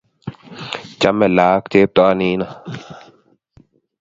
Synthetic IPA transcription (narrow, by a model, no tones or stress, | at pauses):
t͡ɕɐmelaːkt̪eːp̚t̪oniːna